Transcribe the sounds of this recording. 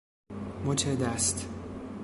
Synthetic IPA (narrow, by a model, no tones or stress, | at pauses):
mot͡ʃʰed̪æst̪